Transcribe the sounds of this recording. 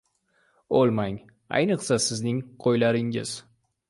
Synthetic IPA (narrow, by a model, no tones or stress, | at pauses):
olˠmaŋ | a̰jnɨqsasɪznɪŋqʰojlaɾɪŋɪ̰z̥